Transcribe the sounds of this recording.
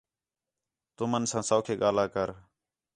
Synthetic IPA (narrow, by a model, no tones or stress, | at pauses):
t̪ʊmənsãːsaːkʰeːɠaːlaːkəɾ